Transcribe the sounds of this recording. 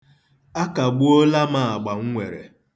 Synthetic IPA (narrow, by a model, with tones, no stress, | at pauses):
a˦ka˨ɡ͡bu˦o˦la˦ma˨a˨ɡ͡ba˨ŋ̩˦ŋʷḛ˨ɾḛ˨